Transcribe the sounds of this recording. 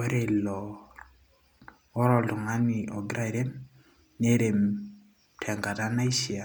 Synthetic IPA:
e˦ɾe˨lɔ˨ | ɔ˦ɾɔ˨lʊ˨ŋa˦nɪ˨ʔɔ˨ɡɾa˦˨ɾe˦m | ne˦ɾe˨m | tʰɛ˨ŋɡa˨ta˦na˦i˦ʃi˨a˨

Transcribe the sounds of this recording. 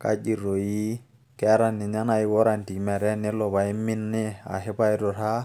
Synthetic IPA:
ka̰˦d͡ʒi˨ɾo˨ji˦ | ke˦ɾa˦˨nːi˨ɲa˦na˦i˦wo˦ɾa˨nti˨mɛ˨ɾɛ˦ne˦lo˨ba˨i˦mi˦nːi˦a̰˨ɦe˦ba˦jɾo˨ɾa˦

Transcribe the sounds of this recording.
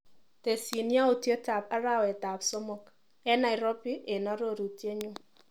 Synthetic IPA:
te˨si˨nja˦o˨tje˦ta˨pa˦ɾa˦wɛ˨ta˨psɔ˦mɔ˨k | ɛ˦na˨ɪ˨ɾɔ˦pi˦ʔe˨na˨˦ɾo˦˨ɾu˨tje˦ɲo˦

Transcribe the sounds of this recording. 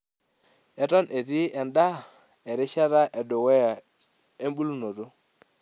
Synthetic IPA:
ɛ˨tɔ˦nʔe˨ti˦ɛ˨nda˦ | ɛ˨ɾɪ˦ʃa˦ta˦ʔɛ˨dʊ˨wɛ˦a˨ | e˦mbu˦lu˦no˨to˦

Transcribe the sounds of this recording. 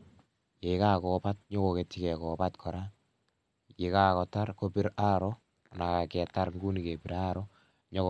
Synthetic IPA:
je˨ka˦kɔ˨pa˦t̚ɲɔ˦ko˨ke˨ti˦kɛ˨kɔ˨pa˦tkʰɔ˨ɾa˦ | je˨ka˨kɔ˨ta˦ɾko˦pɪ˦ɾa˦ɾɔ˦ | na˨ka˨kɛ˨ta˦ɾŋɡu˦ni˨ke˨pi˨ɾa˦ɾɔ˦ | ɲɔ˦

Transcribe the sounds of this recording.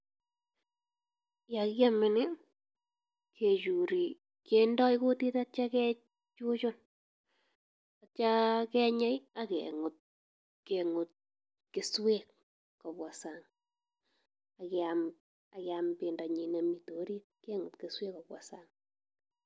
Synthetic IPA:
ja˨kja˦mɪ˨nɪ˦ | kʰe˨t͡ʃu˨ɾi˨ | ke˨ndɔ˦jko˦ti˦ta˦t͡ʃa˦kɛ˦ | t͡ʃu˦t͡ʃʊ˦n | a˨t͡ʃa˦kɛ˦ɲɛ˦ja˦kɛ̰˨ŋʊ˨t̚ | ke˨ŋʊ˨t̚ | kɪ˨swe˦k | kɔ˨pwa˨sa˨ŋ | a˨kɛam | a˨kɛ˨a˨mpɪ˨ndɔ˨ɲi˨ne˨mi˨to˨˦ɾi˦t̚ke˦ŋʊ˨tke˨swe˦kɔ˨pwa̰˨sa˨ŋ

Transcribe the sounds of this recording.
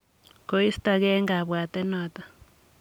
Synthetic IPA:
ko˦i˦st̪a˨ɣɛ˦ŋɡa˨βwa˨t̪ɛ˦nɔ˨t̪ḁ˨

